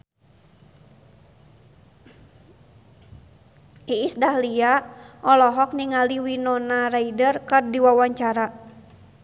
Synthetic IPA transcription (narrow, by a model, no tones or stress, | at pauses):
iisdahliaʔɔlɔɦɔk̚niŋaliwinɔnaraidərkɨrdiwawaɲt͡ʃaɾa